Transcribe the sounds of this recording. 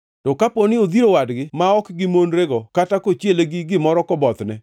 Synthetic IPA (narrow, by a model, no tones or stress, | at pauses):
tɔkaponɪod̪iɾowadɡɪmaɔkɡɪmonɾeɡɔkatakot͡ʃjeleɡɪɡɪmɔɾɔkɔbɔt̪nɛ